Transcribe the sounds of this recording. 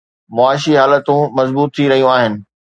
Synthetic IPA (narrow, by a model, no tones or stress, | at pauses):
mʊaːɪʃiɦaːlət̪ũmɐzbuːt̪ʰːiɾɐɦijũaːɦɪnɪ̆